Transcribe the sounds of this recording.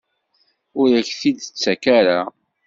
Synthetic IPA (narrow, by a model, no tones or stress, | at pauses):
ʊɾæçθid̪ət͡sːækæɾa